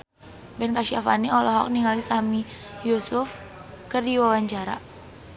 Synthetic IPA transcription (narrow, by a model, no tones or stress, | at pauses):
bɛnkaʃiafa̰niɔlɔɦɔ̰k̚niŋalisami | jusʊf | kərdiwawaɲt͡ʃaɾa̰